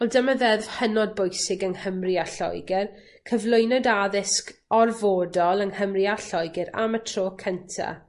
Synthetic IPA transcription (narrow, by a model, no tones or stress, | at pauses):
ɔlˠdəməðɛv̥hənɔd̚bʊjsɪɡəŋhəmriaɬɔ̰jɡɪr | kʰəvlˠʊjnɔdaðɪskɔrvoːdɔlˠəŋhəmriaɬɔjɡɪɾa̰mətʰroːkʰəntʰa̰